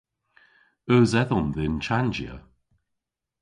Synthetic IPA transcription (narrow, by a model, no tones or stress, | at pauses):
əːzɛðɔmðɪnt͡ʃʰand͡ʒjə̰